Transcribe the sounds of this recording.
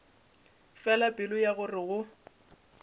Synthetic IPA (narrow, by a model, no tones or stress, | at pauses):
fɛlapʼɪlʊjaɣʊrɪɣʊ